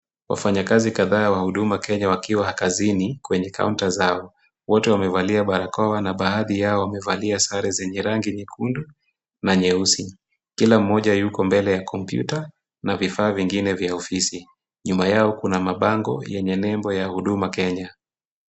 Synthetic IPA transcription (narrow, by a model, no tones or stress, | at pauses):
wʔa̰faɲakazikaðaːwahuɗumakɛɲawakiwahakazinikwɛɲɛkʰa̰untazaɔ | wɔtɛwamɛvaliaɓaɾakɔwanaɓaaðijaɔwamɛvaliasaɾɛzɛɲɛɾaŋɡiɲɛkʰundu | naɲɛusi | kilam̩ːɔʄajukɔmbɛlɛjakʰɔmpjṵta | navifaːviŋɡinɛvjaɔfisi | ɲumajaɔkunamaɓaŋɡɔ̰jɛɲɛnɛmbɔjahuɗumakɛɲa